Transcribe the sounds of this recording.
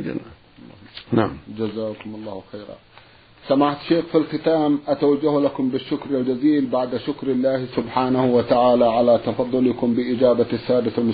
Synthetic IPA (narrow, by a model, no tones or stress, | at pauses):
d͡ʒa̰na̰ | naʕmd͡ʒazaːkʊmɑlˤːɑːhwxeːɾɑ̰ | samaʕt̪ʃeːxfilxɪt̪aːmʔat̪awad͡ʒːahlakʊmbɪʃːʊkɾald͡ʒaziːlbaʕd̪ʃʊkɾɪlːaːhsʊbħaːnahwat̪aʕaːlaʕalat̪ɑfɑðˤːʊlɪkʊmbɪʔɪd͡ʒaːbasːaːd̪ɪθalmʊ